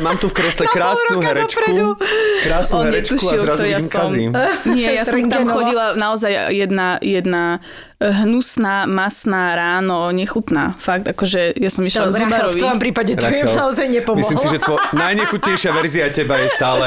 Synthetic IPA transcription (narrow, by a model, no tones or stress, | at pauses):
maːmt̪ufkɾɛslɛkɾaːsɾnuɦɛɾdɛt͡ʃkpɾɛud̪ukɾaːsnuɔɛɲɛt͡ʃ̪uʃilɾazt̪jaimkazimɲɪɛjasɔmt̪ɔmxɔɟilanaɔzaj̰jɛd̪najɛd̪na | ɦnusnaːmasnaːɾaːnɔɲɛxut̪na̰ːfaɡ̚t̪akɔʒɛjasɔmiʃlazibaɾɔʋiɔɔmpɾiːpaɟɛt̪ɔɛnnaɔzajɲɛpɔmislimlssiʒɛt̪ɔnajɲɛxut̪ɲɛjʃɪaʋɛɾziacɛbajɛst̪aːlɛ